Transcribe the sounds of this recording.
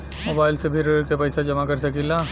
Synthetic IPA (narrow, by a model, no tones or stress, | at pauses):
moːbaːɪlsepʰɪɾkepɐɪsad͡ʒɐmakɐɾsɐkilaː